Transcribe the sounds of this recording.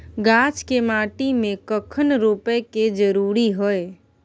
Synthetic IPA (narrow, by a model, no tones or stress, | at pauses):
ɡat͡ʃkemaːʈimẽkəkʰənɾopɛked͡ʒəɾuɾiɦəe